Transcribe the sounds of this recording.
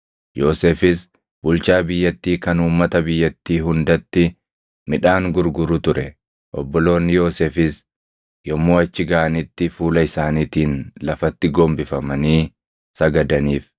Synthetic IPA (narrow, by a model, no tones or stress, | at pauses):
jo̞ːseːfɪs | bʊlt͡ʃaːbɪjːɐt̪ːiːkɐnuːmːɐt̪ɐbɪjːɐt̪ːiːɦʊnd̪ɐt̪ːɪ | mɪᶑaːŋɡʊɾɡʊɾʊt̪ʊɾɛ | ʔɔbːɔlo̞ːnːɪjo̞ːseːfɪs | jɔmːoːɐt͡ʃːɪɡaːʔɐnɪt̪ːɪfuːlɐɪsaːniːt̪iːnlɐfɐt̪ːɪɡɔmbɪfɐmɐniː | sɐɡɐd̪ɐniːf